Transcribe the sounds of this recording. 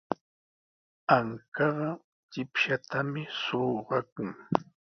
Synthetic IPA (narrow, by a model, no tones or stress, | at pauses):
aŋkɑɢɑ | t͡ʃɪpʃat̪amɪsoːɢɑkʊŋ